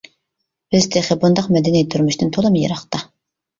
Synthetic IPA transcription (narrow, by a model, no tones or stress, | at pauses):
b̥ɪzd̪eχɪbund̪ɑqmɛd̪ɪnijt̪ʰːyɾmyʃnɪnt̪ʰolˠɨmjḛɾɑχt̪ɑ